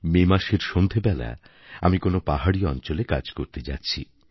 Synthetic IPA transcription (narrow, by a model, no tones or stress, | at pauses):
memaʃeɾʃond̪ʱebɛla̰ | a̰mikonopaɦaɽiɔnt͡ɕoleka̰d͡ʑkoɾt̪ed͡ʑatːɕʰḭ